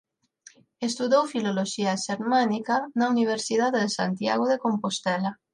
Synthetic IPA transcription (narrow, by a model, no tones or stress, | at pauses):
est̪uðowfiloloʃiaʃeɾmanikanauniβ̞eɾsiðaððesa̰nt̪ja̰ɣ̞oðekompost̪ela